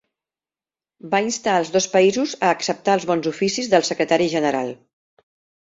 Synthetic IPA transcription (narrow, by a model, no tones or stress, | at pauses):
bainst̪aəlˠzðɔspəizuzəːksəp̚t̪aəlˠzβɔnzufisizðəlˠsəkɾət̪aɾiʒənəɾalˠ